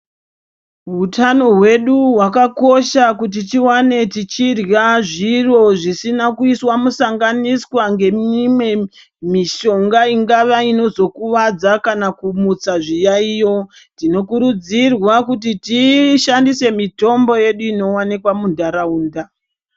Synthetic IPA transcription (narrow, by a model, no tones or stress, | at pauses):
ɦutano̞ɦwe̞ɗuɦwakako̞ʃakut̬it͡ʃiwane̞tit͡ʃirjaʐiro̞ʐisinakuiswamusaŋɡaniswaŋɡe̞mimwe̞ | miʃo̞ŋɡaiŋɡaʋaino̞zo̞kuʋad͡zakanakumut͡saʐijaijo̞ | tino̞kuɾud͡zirwakut̬itiʃandise̞mito̞mbo̞je̞ɗuino̞wanekwamundaɾauːnda